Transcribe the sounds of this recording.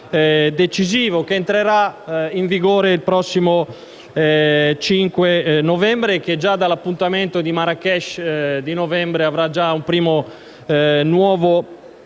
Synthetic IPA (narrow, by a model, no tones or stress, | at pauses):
d̪et͡ʃiziːvokeːnt̪ɾeɾaiɱviɡoːɾeilpɾɔsːimo | t͡ʃiŋkwenovɛmbɾek̟ed͡ʒːad̪alapːunt̪ament̪od̪imaɾakɛʃd̪inovɛmbɾeavɾad͡ʒaumpɾiːmo | nwɔːvo